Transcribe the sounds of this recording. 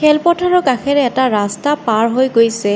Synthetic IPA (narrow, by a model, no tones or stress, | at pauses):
kʰɛlpɔtʰaɹɔkaxʰɛɹɛːtaɹastapaɹɦojɡojsɛ